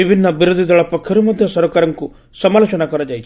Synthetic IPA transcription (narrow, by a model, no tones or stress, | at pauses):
ibʱinːɐbiɾud̪ʱid̪ɐɭɐpɔkʰjɔɾumɐd̪ʱjɐsɐɾɔkaɾɐŋku | sɐmaːlɔt͡ʃɐnakɔɾɐd͡ʒajt͡ʃʰi